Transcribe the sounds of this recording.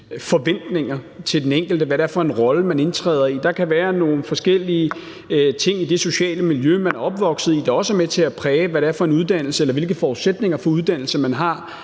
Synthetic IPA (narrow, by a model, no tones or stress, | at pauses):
fɒ̽ʋen̰d̥ne̝ŋɐt͡sʰe̝ld̥eneŋ̰ɡ̥l̩d̥əʋæɾeæɐfɒ̽e̝nʁɒ̽ləmæne̝nt͡sʰʁɛ̰ːð̰ˠɐid̥ɑ̈kʰæʋæːɐno̝ːn̩fɒ̽sɡ̥el̰iə | t͡sʰe̝ŋ̰id̥e̝so̝ɕɛ̰ːləmiljømænæɐɒ̽b̥ʋɒ̽ɡ̥sð̩ˠid̥ɑ̈ɒ̽səmet͡sʰe̝æpʰʁɛːʋæɾeæɐfɒ̽e̝nuð̞ˠd̥æn̰l̩səelɐʋe̝lɡ̥əfɒːðˠsed̥ne̝ŋɐfɒ̽uð̞ˠd̥æn̰l̩səmænɦɑ̈